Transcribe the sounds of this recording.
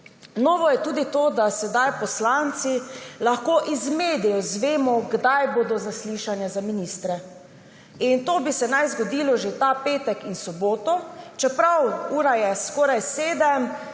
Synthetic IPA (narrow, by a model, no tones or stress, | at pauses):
nɔːʋɔjɛt̪uːd̪it̪oːd̪asɛd̪ajpɔslant̪silaxkoːʔizmeːd̪ɛjɔzʋeːmɔɡd̪ajboːd̪ɔzasliʃanjazaminiːst̪ɾɛ | int̪oːbisɛnajzɡɔd̪iːlɔʒet̪apeːt̪ɛkinsɔboːt̪ɔt͡ʃɛpɾawuːɾajɛskɔːɾajseːd̪ɛm